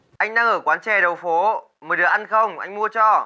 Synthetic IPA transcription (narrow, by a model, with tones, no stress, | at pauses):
ʔa˧jŋ̟ɗaː˧ŋʔəː˧˩kwaː˨˦nt͡ɕɛ˨˩ɗə˨˩wfo˨˦ | məː˨˩˦ɗɨ˨˩əkʔa˧nxə˧wŋ͡mʔa˧jŋ̟mu˧ət͡ɕɔ˧˩